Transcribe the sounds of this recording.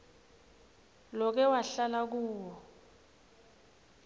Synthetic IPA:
lɔk̬ɛwaɬalak̬uːwɔ

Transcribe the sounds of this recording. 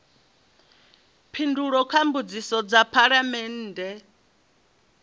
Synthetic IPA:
pʰinduɺɔkʰambud͡zisɔd͡zapʰaɺamɛnːdɛ

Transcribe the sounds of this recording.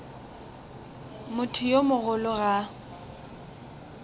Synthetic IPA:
mʊtʰʊjomʊɣʊlʊɣa

